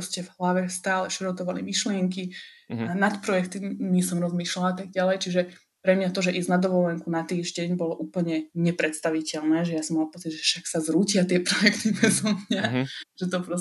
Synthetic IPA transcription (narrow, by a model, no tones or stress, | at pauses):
ɔscɛvɦlaʋɛst̪aːlɛʃɛɾɔt̪ɔʋalḭmiʃlɪɛŋki | nat̪pɾɔjɛkt̪iɲisɔmɾɔzmiːʃlalaat̪aɡ̚ɟalɛjt͡ʃiʒɛ | pɾɛmɲat̪ɔʒɛʔiːznad̪ɔʋɔlɛŋkunat̪iːʒɟɛɲbɔlɔʔuːpl̩ɲɛɲɛpɾɛt̪st̪aʋicɛʎnɛːʒɛjasɔmːalapɔt͡siɟʒɛʃaksazɾuːcɪat̪ɪɛpɾɔjɛkt̪imɛzɔmɲaʒ̥ɛt̪̬ɔpɾɔ